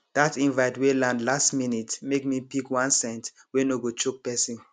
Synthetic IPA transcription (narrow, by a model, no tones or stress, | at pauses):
d̥atĩnvaɪtwelãndlastminitmekmipikwãnsɛ̃nt | wɛnoɡot͡ʃok̚pɛsĩn